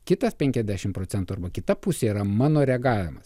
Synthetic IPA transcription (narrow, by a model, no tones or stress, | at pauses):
kʲɪt̪ɐspʲɛŋʲkʲɛzʲd̪ʲæːʃʲɪmpɾoːt̪sʲɛnt̪uːɐɾbɐkʲɪt̪ɐpʊsʲeːiɾɐmɑːnoːɾʲɛɡɑːʋʲɪmɐs